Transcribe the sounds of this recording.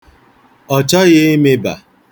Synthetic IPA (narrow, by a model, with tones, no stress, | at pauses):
ɔ˨t͡ʃɔ˦ɣe˦i˦me˦ba̰˨